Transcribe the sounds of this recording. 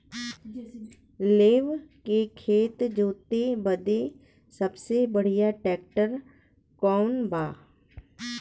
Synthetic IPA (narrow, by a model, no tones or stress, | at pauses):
leːʋkekʰeːt̪d͡ʒoːt̪ebəd̪e | səbsebəɽ̤ijaʈɛːkʈəɾ | kɔːnbʱaː